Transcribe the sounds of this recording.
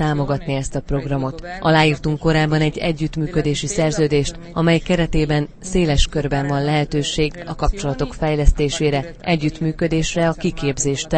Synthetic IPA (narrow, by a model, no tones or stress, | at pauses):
aːmo̞ɡɒt̪niɛst̪ɒpro̞ɡrɒmo̞t̪ʔɒlaːjiːrt̪uŋkːo̞ɾaːbːɒnɛɟːɛ̰ɟːyt̪myːkø̞d̪eːʃisɛrzøːd̪eːʃt̪ | ɒmɛjkɛɾɛt̪eːbɛn | seːlɛʃkørbɛɱvɒnlɛɦɛt̪øːʃeːɡɒ̰kɒp̚t͡ʃo̞lɒt̪o̞kfɛjlɛst̪eːʃeːɾɛ | ʔɛɟːyt̪myːkød̪eːʃrɛɒkikeːbzeːʃt̪